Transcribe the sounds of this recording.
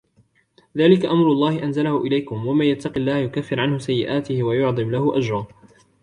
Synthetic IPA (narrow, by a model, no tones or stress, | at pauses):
ðaːlɪkaʔamɾʊlˤːɑːhɪʔanzalahʊʔɪlajkʊmwamanjat̪ːɑqɪlːaːhjʊkafːɪɾʕanhʊsajːɪʔaːt̪ɪhɪwajʊʕd̪ˤɨmlahʊʔad͡ʒɾˤɑ